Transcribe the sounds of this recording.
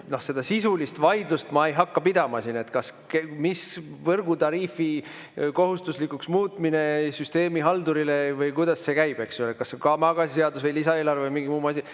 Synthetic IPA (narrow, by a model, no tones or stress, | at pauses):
no̞hse̞d̪ɑsisulist̪vɑjd̪lust̪mɑe̞jɦɑkːɑpid̪̥ɑmɑsine̞t̪kɑskemisvɤrɡ̥ut̪ɑɾiːfi | ko̞ɦust̪uslikuksmuːt̪minesyst̪e̞ːmiɦɑld̪uɾilevɤjkujd̪ɑsːe̞kæjb̥e̞ksulekɑsːekɑmɑɡ̥ɑsise̞ɑd̪usvɤjlisɑeːlɑrvevəmiŋɡimuːmɑs̬ʲi